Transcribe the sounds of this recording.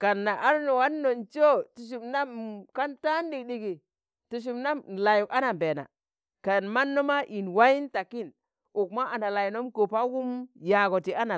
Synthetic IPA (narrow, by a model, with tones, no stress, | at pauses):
ka˨nːa˨ʔa˦ɾno˨wa˦nː˦o˨nt͡ʃo˦tu˨ʃ̬u˨mna˦mka˦nta˦n˦di˨kɗi˨ɡi˨ | tu˨ʃ̬u˨mna˦m˨la˨ju˨ka˦na˨mbe˨na̰˨ | ka˨nma˦nːo˦ma˦ʔi˨nwa˦ji˦nta˨ki˦˨n | u˨k̚ma˦ʔa˨na˨la˨ji˨no˦mko˨pa˦wu˦mja˨ɡo˨ti˨a˦na˨